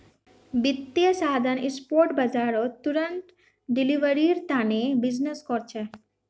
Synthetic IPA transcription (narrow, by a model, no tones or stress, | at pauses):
bit̪ːiəʃaɦd̪ʱanispoɾʈbad͡ʑaɾot̪ːuɾənʈ̪ | ɖiliʋəɾiɾt̪anebid͡ʑneskoɾt͡ɕʰe